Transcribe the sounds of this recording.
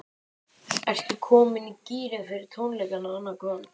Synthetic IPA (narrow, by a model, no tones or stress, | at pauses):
ɛr̥st̪ʏkʰɔːmɪniciːɾɪfɪɾɪɾ̥t̪ʰownlɛjkanaanːakʰœːn